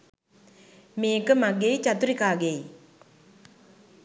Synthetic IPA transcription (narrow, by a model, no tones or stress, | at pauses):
meːkəmaɡejt͡ʃat̪uɾikaːɡej